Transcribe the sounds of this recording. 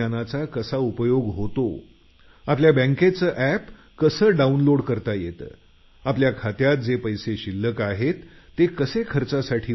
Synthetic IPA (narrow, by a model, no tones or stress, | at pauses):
anat͡sakəsaupəjoɡɦot̪o | apljabə̃ŋket͡səːʔæp | kəsəːɖaunloɽkəɾt̪ajet̪ə̰ː | apljakʰat̪jat̪̚d͡zepəjseɕilːəkaɦet̪ː | ekəsekʰəɾt͡sasaʈʰiː